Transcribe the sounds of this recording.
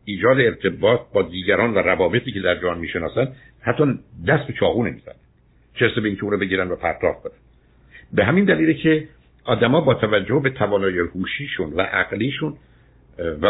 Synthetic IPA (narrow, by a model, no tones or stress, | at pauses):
ʔiːd͡ʒɒːd̪eːɾt̪ʰe̞bɒːt̪̚ʰbɒːd̪iːɟæɾɒːnvæɾævɒːbe̞t̪ʰiːced̪æɾd͡ʒænmiːʃenɒːsænd̪ | hæt̪ʰːɒːd̪æst̪bet͡ʃʰɒːɣuːnemiːzæ̰næn | t͡ʃʰeɾsebeiːŋcʰeuːɾɔːbe̞ɟiːɾænd̪væpʰæɾt̪ʰɒ̰ːfkʰonænd̪̥ | beɦæmind̪æliːlecʰe | ʔɒːd̪æmɒːbɒːt̪ʰævæd͡ʒːohbe̞t̪ʰævɒːnɒːjehuːʃiːʃunvæ̰ʔæɡliːʃun | væ